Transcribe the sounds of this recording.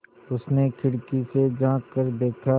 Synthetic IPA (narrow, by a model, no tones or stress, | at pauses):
ʊsnekʰɪɽkised͡ʒãːkːəɾd̪eːkʰa